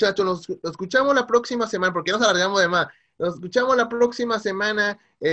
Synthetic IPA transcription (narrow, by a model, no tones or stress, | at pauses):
t͡ʃat͡ʃonosseskut͡ʃamo̞zlapɾoksimasemãnapoɾkeonosalaɾɣamozðemas | noseskut͡ʃamo̞zlapɾoksimase̞mãna | e